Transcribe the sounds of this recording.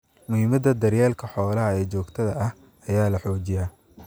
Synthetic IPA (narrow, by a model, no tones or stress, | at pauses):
mʊhɪmɐd̪ɐd̪ɐrjaːlkʰɐħɔːlɐɦɐɛːt͡ʃɔːɡt̪ʰɐðɐʔɐh | ɐjaːlɐħɔːt͡ʃɪjaː